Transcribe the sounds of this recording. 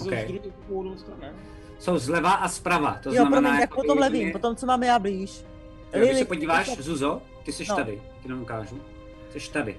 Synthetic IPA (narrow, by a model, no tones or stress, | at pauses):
okɛji | odost̪aɛ | sowzlɛvaʔaspɾava̰ːt̪ozjonampɾomnɛːjjakpot̪omlɛviːmpot̪omt͡somaːmjaːbliːʃ | ssɛpoɟiːvaːʃzuzo | t̪ɪsɛʃt̪adɪ | t̪ɪnɛukaːʒu | sɛʃt̪adɪ̰